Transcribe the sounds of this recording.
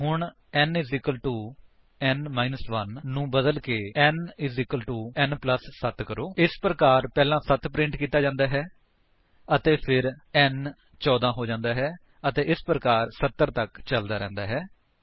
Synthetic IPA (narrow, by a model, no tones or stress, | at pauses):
ɦʊɳ | ɛnɪzɪkəlʈuː | ɛnmaːinəsʋənːũːbəd̪əlkeːɛnɪzɪkəlʈuːɛnpləsːət̪ʰkəɾoːɪspɾəkaːɾpɛːlãːsət̪pɾɪ̃ɳʈkiːt̪aːd͡ʒãːnd̪aːɦɛː | ət̪eːpʰɪɾɛn | t͡ʃɔːd̪ãːɦoːd͡ʒãːnd̪aːɦɛː | ət̪eːʔɪspɾəkaːɾsət̪ːəɾt̪əkt͡ʃəld̪aːɾɛ̰̃ːnd̪aːɦɛː